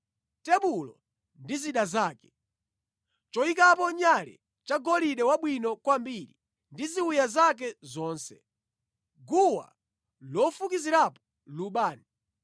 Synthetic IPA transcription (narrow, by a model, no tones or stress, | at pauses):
tɛɓulɔ | ndiziɗazaːkɛ̥ | t͡ʃɔikapɔɲalɛ̰ | t͡ʃaɡɔliɗɛwaɓwinɔkwambiɾi | ndiziwujazak̬ɛzɔːnsɛ | ɡuwa̰ | lɔfukiziɾapɔ̥ | luɓaːni